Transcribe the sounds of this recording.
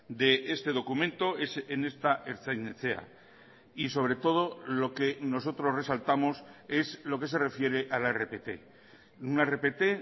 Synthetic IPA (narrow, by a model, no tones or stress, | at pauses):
d̪e̞ʔest̪e̞ðo̞kumẽnt̪o̞esene̞st̪aʔeɾθajneθea̰ | iso̞β̞ɾe̞t̪o̞ð̞o̞lo̞ke̞no̞s̬o̞t̪ɾo̞zre̞salt̪amo̞se̞zlo̞ke̞s̬e̞re̞fje̞ɾe̞ʔalaerepet̪e̞̰ | unerepe̞t̪e̞